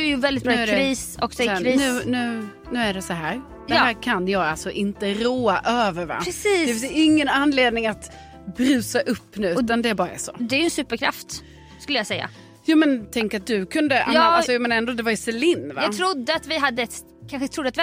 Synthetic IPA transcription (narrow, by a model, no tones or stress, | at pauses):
jɵvɛld̪ɪt̪̚bɾɑːæɾɛɾiːsɔksɔɾiːnʉ̟ːnʉ̟ː | nʉ̟ːæɖɛsɔɦæːɾ | d̪̥ɛhæːɾkʰanjɑːɡalsɔʔɪnt̪əɾoːaʔøːvəɾva̰pɾɛsiːd̪ɛfɪsɪŋːənanːleːd̪̚nɪŋat̪ | bɾʉ̟ːsaʔɵpːnʉ̟ːɔːand̪ɛbɑːɾaæ̰ɾʂo̰ːd̪ɛæjɵɛnsʉ̟ːpəɾkʰɾa̰ft̪ | skɵlːəjɑsɛjːa̰ | juːmɛnt̪ʰɛŋkɾat̪̚d̪ɵkʰɵnd̪əjɑːalɔjmeːnɛnd̪oːd̪ɛvaɾjsɛlɪnːvaɑɡt̪ʰɾʊd̪ːəat̪vɪɦad̪ːəɛt̪ | kʰanɧət̪ʰɾʊd̪ːat̪vɪ